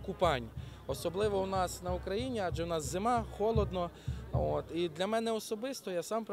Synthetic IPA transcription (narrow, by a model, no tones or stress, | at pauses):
kupɑnʲ | ɔsɔblˠɪʋɔwnɑsnɐukɾɐjinʲiɑd͡ʒɛwnɑszemɑxɔlˠɔd̪nɔ | ot̪id̪lʲɐmɛnɛɔsɔbɪst̪ɔjasɑmpɾ